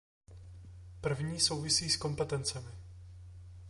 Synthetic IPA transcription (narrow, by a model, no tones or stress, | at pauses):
pr̩vɲiːso̞wvɪsiːsko̞mpɛt̪ɛnt͡sɛmɪ